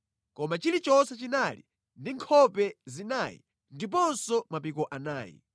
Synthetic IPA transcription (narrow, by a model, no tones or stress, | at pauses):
kɔmat͡ʃilit͡ʃɔsɛt͡ʃinalḭ | ndiŋkʰɔpɛzinaːjḭ | ndip̬ɔnsɔmapikɔʔanaːjḭ